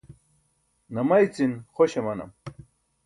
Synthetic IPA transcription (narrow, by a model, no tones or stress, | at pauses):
nɐmɐjt͡sinxoɕemɐnɐ̰m